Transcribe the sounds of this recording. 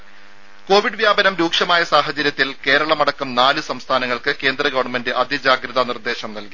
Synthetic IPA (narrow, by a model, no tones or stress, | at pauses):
ko̞ːʋiɖɨʋjaːbɐnɐmɾuːkʂɐmaːjɐsaːɦɐt͡ɕɐɾjɐt̪ːilke̞ːɾɐɭɐmɐɽɐkːumnaːlɨsɐmst̪ʰaːnɐŋːɐɭkɨke̞ːnd̪rɐɡɐʋɐɳmendɨʔɐd̪ʱid͡ʑaːɡɾɐðɐnird̪e̞ːɕɐmnɐlki